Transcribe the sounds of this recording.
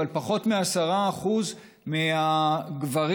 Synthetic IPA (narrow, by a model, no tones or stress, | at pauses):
alpaχo̞t̪measaʁaːχuz | meaɡvaʁ